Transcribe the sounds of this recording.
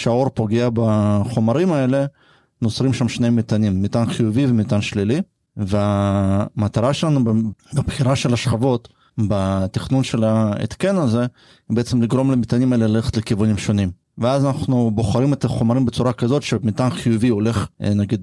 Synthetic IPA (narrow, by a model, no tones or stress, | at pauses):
ʃao̞ɾpo̞ɡeabaχo̞maɾimae̞le̞ | nosɾimʃamʃnejmit̪animːit̪anχijuvivemit̪anʃlili | veamat̪aɾaʃelanubbapχiɾaʃelaʃχavo̞t̪ | bat̪iχnunʃelaḛt̪kenaze | beet͡semliɡɾo̞mlemit̪animaelelalexe̥t̪lekivunimʃo̞nim | veazanaχnubo̞χaɾimet̪aχomaɾimbet͡suɾakazo̞t̪ʃemit̪anχijuviole̞χnaɡid̪